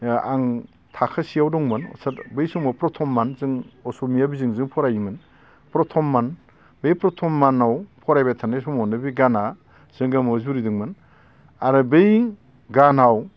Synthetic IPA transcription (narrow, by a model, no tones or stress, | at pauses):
a̰ŋ | tʰakʰasiawdɔŋmɯnɔ̰saɾbɯjsɔŋmɔpɾɔtʰɔmːanzɯŋɔsɔmijabizɯŋzɯŋpʰɔɾajimɯn | pɾɔtʰɔmːan | bɯjpɾɔtʰɔmːanawpʰɔɾajbatʰanesɔmɔnɯbiɡana | z̥ɯŋɡamɔzuɾidɯŋmɯn | aɾɯbɯj | ɡanaw